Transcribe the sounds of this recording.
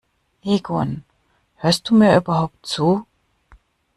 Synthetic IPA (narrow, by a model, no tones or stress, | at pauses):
ʔeːɡun | høːɐst̚d̥uːmiːɐʔyːbɐɦaʊp̚t̚t͡suː